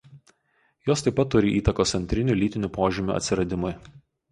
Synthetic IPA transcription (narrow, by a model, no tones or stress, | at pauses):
joːst̪ɐɪpɐt̪ːʊɾʲɪʔiːt̪ɐkoːsʲɛnʲt̪ʲɾʲɪnʲulʲiːt̪ʲɪnʲuːpoːʒʲɪmʲṵʔɐ̰t̪sʲɪɾɐd̪ʲɪmʊj